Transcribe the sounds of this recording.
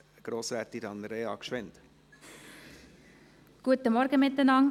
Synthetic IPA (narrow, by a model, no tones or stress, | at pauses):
ɡ̥ɾoːsɾæːt̪ːiɾɑnɾeɑ̰kʃʋɛnt̪ | ɡ̥uət̪əmɔɾɡəmɪt̪ːənɑŋ